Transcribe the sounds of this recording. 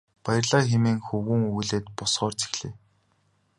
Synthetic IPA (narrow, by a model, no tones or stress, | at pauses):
pæjɪ̆rɮaːxemeːŋxɵwŭŋujɮeːt̪pʊsχɔːrt͡sʰi̥xɮ̥eː